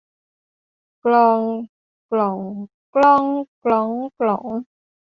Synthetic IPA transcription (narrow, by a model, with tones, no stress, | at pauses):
klɔ˧ŋ | klɔ˨˩ŋ | klɔ˧ŋklɔ˨˦ŋklɔ˨˩˦ŋ